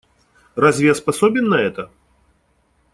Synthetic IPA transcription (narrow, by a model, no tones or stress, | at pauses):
razʲvʲɛspasɔbʲɛnːɐɛt̪ɐ